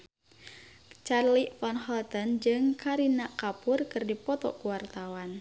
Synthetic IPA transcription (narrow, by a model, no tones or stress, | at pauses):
t͡ʃarlifɔnɦɔlt̪ənd͡ʒɨŋkaɾinaʔkapʊrkɨrdipɔt̪ɔ̰kuwart̪awan